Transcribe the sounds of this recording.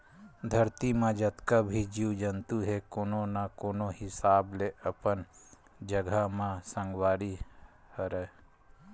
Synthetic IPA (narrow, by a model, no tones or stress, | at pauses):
d̪ʱəɾt̪imãd͡ʒət̪kabʱid͡ʒiwd͡ʒənt̪uɦekoːnonakoːnohɪsaːbleʔəpən | d͡ʒəɡʱamãsə̃ŋɡwaːɾi | həɾə